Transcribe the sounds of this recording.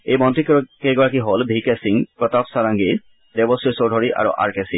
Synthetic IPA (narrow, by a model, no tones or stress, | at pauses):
ejmɔntikkeɡɔɹak̬iɦolbʱikɛsiŋpɹɔt̪apsaɹaŋɡi | d̪ebɔsisodʱɔɹiʔa̰ɹṵʔa̰ɹkɛsi